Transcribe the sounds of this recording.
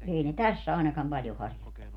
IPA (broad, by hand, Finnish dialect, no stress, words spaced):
eˑi ne tæsː ɑˑinɑkɑm pɑljo hɑrʲjotːɑnu